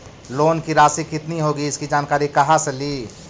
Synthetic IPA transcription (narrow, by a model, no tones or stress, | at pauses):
loːnkiɾaːsikɪt̪niɦoːɡiɪskid͡ʒaːnkaːɾikɐɦaseliː